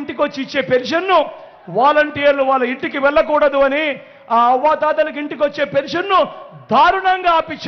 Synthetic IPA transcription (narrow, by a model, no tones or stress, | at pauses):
ɳʈikot͡ʃːit͡ʃːe̞ːpenʂɐnːu | ʋaːlɐɳʈijɐɾluʋaːɭːɐiɳʈikiʋɛɭːɐkuːɽɐd̪uɐni | aːɐʋːaːt̪aːd̪ɐlɐk̬iɳʈik̬iot͡ʃːe̞ːpenʂɐnːud̪ʱaːɾuɳɐŋɡaːaːpit͡ʃː